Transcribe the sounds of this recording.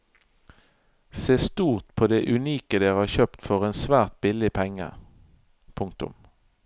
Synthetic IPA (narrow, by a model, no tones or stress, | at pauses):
seːst̪uːʁt̪pʰoːd̪eːʔʉniːkəd̪eːʁhɑːçœpt̪fɔʁeːnsʋæːʁt̪̚bɪlɪpʰɛŋə̰ | pʰʊŋk̚t̪ʊ̰m